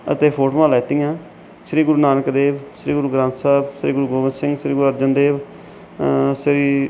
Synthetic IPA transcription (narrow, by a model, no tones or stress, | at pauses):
ə̰t̪eːpʰoːʈomãːlaːt̪ijãː | ʃɾiːɡʊɾuːnaːnəkd̪eːʋʃɾiːɡʊɾuːɡɾãːnt̪saːbʃɾiːɡʊɾuːɡoːʋənsɪ̃ŋɡʃɾiːɡɾuːəɾd͡ʒənd̪eːʋ | ʃɾiː